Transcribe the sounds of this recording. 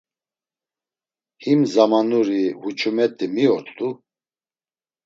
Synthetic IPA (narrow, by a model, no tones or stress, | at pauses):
himzamanuɾiɦut͡ʃʼumɛt̪ʼimiɔɾt̪ʼu